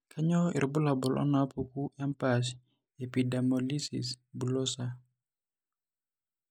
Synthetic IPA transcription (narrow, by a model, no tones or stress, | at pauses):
kʰaɲɔḭrbulabɔlʔɔ̰napukuɛmpas̬ | epidamɔlisḭs | bulɔsa